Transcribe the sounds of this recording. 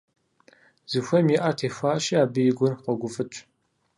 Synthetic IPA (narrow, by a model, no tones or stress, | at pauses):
z̥ɨxʷɐmjiʔatʰeːxʷaːɕiaːbɨjɪɡʷʊrqɐɡʷʊfʼɨt͡ʃʷʼ